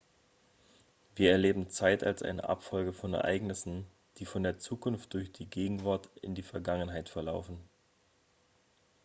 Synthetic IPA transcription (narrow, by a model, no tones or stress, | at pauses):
viːɐɛɐleːbm̩t͡saɪtʰa̰lsʔa̰ɪnə̰ʔa̰pfɔlɡəfɔnɛ̰ɐʔa̰ɪɡnɪsn̩ | d̥iːfɔndeːɐt͡suːkʰʊnft̚d̥ʊɐçd̥iːɡeːɡŋ̩vaɐtɪ̰ndiːfɛɐɡaŋənɦaɪtfɛɐlaʊfn̩